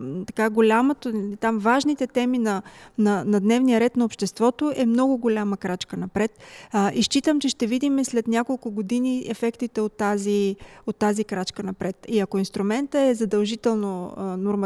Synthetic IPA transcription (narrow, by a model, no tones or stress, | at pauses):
t̪ɐkaɡolʲamot̪ot̪amvaʒnit̪ɛt̪ɛminɐnɐnɐd̪nɛvnijəɾɛt̪nɐopʃt̪ɛst̪vɔt̪oʔɛmnɔɡʊɡolʲaməkɾat͡ʃkənɐpɾɛt̪iʃt͡ʃit̪əmt͡ʃɛʃt̪ɛvid̪imɛslɛt̪nʲjakolˠkʊɡod̪iniɛfɛkt̪it̪ɛot̪ːaziot̪ːazikɾat͡ʃkənɐpɾɛt̪iɐkoinst̪ɾʊmɛnt̪əɛzɐd̪ɐlˠʒit̪ɛlˠnonoɾm